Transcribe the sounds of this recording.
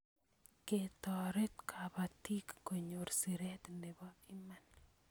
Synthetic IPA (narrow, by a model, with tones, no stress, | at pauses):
ke˨t̪ɔ˨ɾe˦t̪kʰa˨ba˨t̪i˦kːo˨ɲo˨ɾsi˨ɾɛ˦t̪ne˨bɔ˦ɪ˦ma˦n